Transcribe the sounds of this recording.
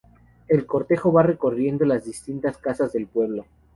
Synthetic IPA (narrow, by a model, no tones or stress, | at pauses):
e̞lko̞ɾt̪e̞xo̞βare̞ko̞rje̞nd̪o̞lazðist̪int̪askasazðe̞lpwe̞β̞lo̞